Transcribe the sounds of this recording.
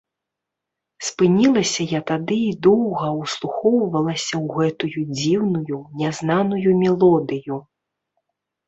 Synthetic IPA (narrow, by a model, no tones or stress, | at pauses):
spɨnʲilˠɐsʲɐjat̪ad̪ɨid̪ɔwɣɐwslˠuxɔwvɐlˠɐsʲɐwɣɛt̪ujud͡zʲiwnujunʲɛznanujumʲɛlˠɔd̪ɨju